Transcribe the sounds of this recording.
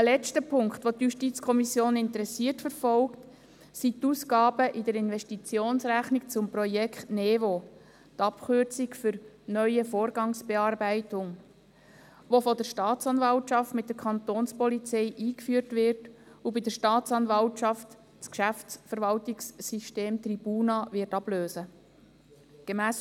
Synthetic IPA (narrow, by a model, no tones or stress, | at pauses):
əlɛt͡stəpʰʊŋkt̪ʋot̪juʃtiːt͡skʰɔmisjoːnɪnt̪əɾɛsiːərtfəɾfɔlkt | sit̪uːskɑːbəʔɪdəɾɪnʋɛʃtit͡sjoːnsɾæχnik̚t͡sʊmpɾɔjɛkʰχtnɛːvo | t̪ɑpχøɾt͡sikfʏɾnœʏəfoːɾɡɑŋsb̥ɛɑːɾbæɪtʊŋ | ʋofɔd̪əɾʃtɑːtt͡sɑnvɑltt͡ʃɑftmɪt̚d̥̪əɾkʰχɑnt̪oːnspɔlit͡sɛɪʔiːkfyːəɾtʋɪɾt | ubɪdəɾʃtɑːt͡sɑnvɑlt͡ʃɑft | t͡skʃæftsfəɾʋɑltiksːiʃteːmt̪ɾib̥uːnɑvɪɾtɑb̥løːsə | ɡ̥emæːs